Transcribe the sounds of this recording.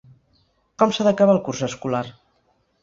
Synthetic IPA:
kɔmsaðəkaβalˠkurzəskulaɾ

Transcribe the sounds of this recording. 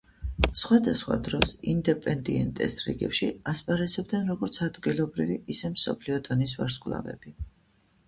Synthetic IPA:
sχwad̪asχwa̰d̪ɾɔsind̪ɛpʼɛnd̪iɛnt̪ʼɛ̰sɾɛ̰ɡɛpʃḭaspʼaɾɛsɔb̚d̪nɛnɾɔɡɔɾt̪sʰad̪ɡilˠɔbɾiviʔisɛmsɔ̰pʰliɔd̪ɔnisvaɾskʼvlˠa̰vɛ̰b̥i

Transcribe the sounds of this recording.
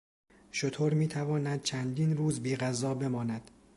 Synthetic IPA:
ʃot̪ʰoːɾmiːt̪ʰævɒːnæd̪̥̚t͡ʃʰænd̪iːnɾuːzbiːɣæzɒːbe̞mɒːnæd̪̥

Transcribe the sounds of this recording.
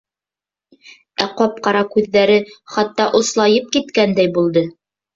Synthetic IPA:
æqɒp̚qɑɾɑkʉðːæɾɘχɑt̪ːɑʔŏslˠɑjɤp̚kit̪kænd̪æjbulˠd̪ɤ

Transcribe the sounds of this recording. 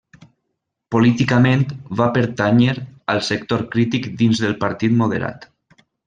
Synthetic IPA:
polit̪ikament̪βapəɾt̪aɲəɾəlˠsəkt̪oɾkɾit̪ikd̪inzðəlˠpaɾt̪it̪moð̞əɾa̰t̪

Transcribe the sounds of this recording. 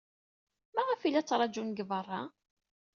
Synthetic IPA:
mæʁəfilːæt͡sːɾˤɑd͡ʒunɡəvərˤːɑ

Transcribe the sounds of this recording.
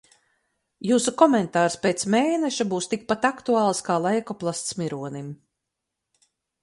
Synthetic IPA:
juːsukɔmɛnt̪aːɾspeːt̪smeːnɛʃabuːst̪ik̚pat̪akt̪uɑːlˠskaːlˠajkɔplˠast̪smiɾuɔnim

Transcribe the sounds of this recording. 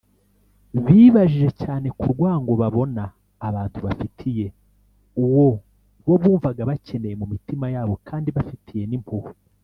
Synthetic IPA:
βiːβaʒiʒe̞caːne̞kuɾɡwaːŋɡo̞βaβo̞naː | βaːntʰuβafitʰije̞ | uwo̞ | βo̞βuːɱvaɡaβace̞ne̞je̞mumitimajaːβokʰaːndiβafitʰije̞nimpʰuhu

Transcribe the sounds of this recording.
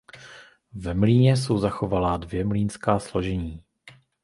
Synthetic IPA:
vɛmliːɲɛs̬owzaxo̞valaːdvjɛmliːnskaːslo̞ʒɛɲiː

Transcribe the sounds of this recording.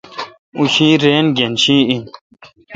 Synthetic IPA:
uɕĩːɾeːnɡenɕĩːin

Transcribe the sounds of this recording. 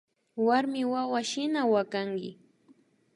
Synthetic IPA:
waɾmɪwawaʃɪnawakaŋɡɪ

